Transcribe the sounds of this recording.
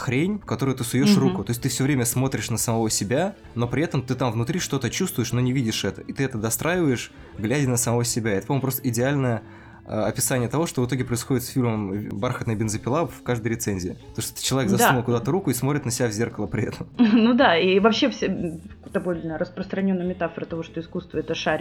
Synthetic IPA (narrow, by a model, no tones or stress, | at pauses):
xɾʲenʲfkɐt̪o̞ɾʊjʊt̪ɨsʊjoʂrukʊt̪o̞ɪs̬ʲt̪ɨfsʲɵvɾʲemʲəsmo̞t̪ɾʲɪʂnəsəmɐvo̞sʲɪbʲa | no̞pɾʲɪɛt̪əmt̪ɨt̪amvnʊt̪ɾʲiʂt̪o̞t̪ət͡ɕust̪vʊjɪʂno̞nʲɪvʲidʲɪʂɛt̪əit̪ɨɛt̪əd̪ɐst̪ɾʔajɪvəjɪʂ | ɡlʲædʲɪnəsəmɐvosʲɪbʲaɪɛt̪əpɐmompɾost̪əɪdʲɪalʲnəjə | ə̰ɐpʲɪsanʲɪjət̪ɐvo̞ʂt̪ovɨt̪o̞ɡʲɪpɾəɪsxo̞dʲɪt̪sfʲilʲməmbarxət̪nəjəbʲɪnzəpʲɪlˠafkaʐd̪əjəɾʲɪt̪senʲzʲɪɪt̪oʂt̪t̪t͡ɕɪlˠɐekɡzɐsmulˠkʊd̪at̪əɾukʊismo̞t̪ɾʲɪt̪nəsʲɪbʲavzʲe̞rkəlˠəpɾʲɪɛt̪ʰəmnud̪aivɐpɕːefsʲd̪ɐbolʲnəɾəspɾəst̪ɾɐnʲo̞nːəjmʲɪt̪afəɾət̪ɐvo̞ʂt̪oɪskust̪vəɛt̪əʂaɾʲ